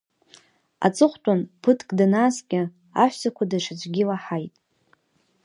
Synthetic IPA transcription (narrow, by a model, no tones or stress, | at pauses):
a̰t͡sʼɨχʷtʼanpʰɨtʰkʼdanasɡʲʼɪ | a̰ħʷsakʷʰadaʂʰad͡ʒʷʰʼɡʲɪlaħajtʼ